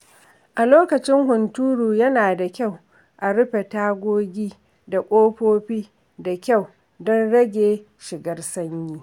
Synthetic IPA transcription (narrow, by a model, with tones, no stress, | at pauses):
ʔa˨loː˦kɐ˨t͡ʃɪ˦ŋhʊ˨ntuː˦ɽuː˨jɐ˦naː˨da˨kʲa˦˨w | ʔa˨ɽʊ˦ɸe˨taː˦ɡʷoː˦ɡʲiː˦ | da˨kʷʼoː˦ɸoː˦ɸiː˦ | da˨kʲa˦˨w | dɔ˦nɽɐ˦ɡʲeː˨ | ʃɪ˨ɡɐ˦rsɐ˦ɲjiː˦